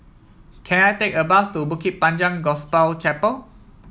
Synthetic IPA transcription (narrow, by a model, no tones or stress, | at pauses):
kʰɛ̃najtekəbastubukit̚pãnd͡ʒãŋɡɔspalt͡ʃɛpəl